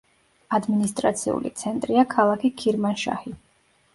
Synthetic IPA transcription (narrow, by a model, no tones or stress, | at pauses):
ad̪minist̪ʼɾat̪sʰḭṵlḭt̪sʰɛnt̪ʼɾiakʰalˠakʰikʰiɾmanʃa̰hi